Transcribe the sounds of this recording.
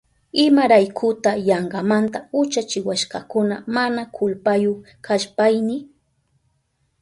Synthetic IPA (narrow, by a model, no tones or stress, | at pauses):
ɪmaɾajkʰʊt̪ajɑɴɢɑmant̪aʊt͡ʃat͡ʃɪwaʃkɑkʊnamanakʰʊlpajʊ | kʰaʃpajnɪ